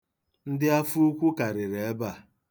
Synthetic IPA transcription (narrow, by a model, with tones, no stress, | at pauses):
n̩˦dɪ˦a˦fu˦u˦kʷu˦ka˨ɾɪ˨ɾe˨e˦ba˨